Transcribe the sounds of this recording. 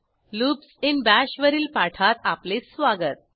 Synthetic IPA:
lupsinbæɕʋəɾiːlpaʈʰat̪aplet͡ssʋaɡət̪̚

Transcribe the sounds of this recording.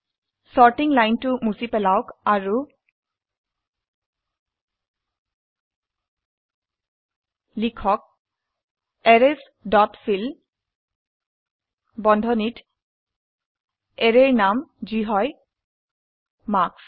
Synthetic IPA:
sɔɹtiŋlajntʊmusipɛlawkaɹu | likʰɔk̚ | ɛɹɛs | dɔtfʰil | bɔndʱɔnit | eɹeɹnamziɦɔj | maks

